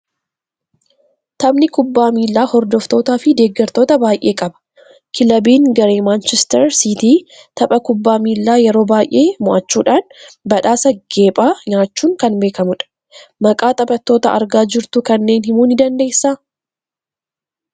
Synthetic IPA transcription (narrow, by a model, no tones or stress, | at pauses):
t̪ɐbnɪkʊbːaːmiːlːaːhɔɾd̪ɔft̪o̞ːt̪aːfɪd̪e̞ːɡːɐɾt̪o̞ːt̪ɐbaːjʔe̞ːkʼɐbɐ̥ | kʰɪlɐbiːŋɡɐɾe̞ːmaːnt͡ʃɛst̪ɛɾsit̪iː | t̪ɐpʼɐkʊbːaːmiːlːaːjɛɾo̞ːbaːjʔe̞ːmʊʔɐt͡ʃːuːᶑaːnbɐᶑaːsɐɡ̥e̞ːpʼaːɲaːt͡ʃːuːŋkɐnbe̞ːkɐmʊᶑɐ̥ | mɐkʼaːt̪ʼɐpʼɐt̪ːo̞ːt̪ɐɐɾɡaːd͡ʒɪɾt̪ʊkɐnːe̞ːnhɪmuːnɪd̪ɐnd̪e̞ːsːaː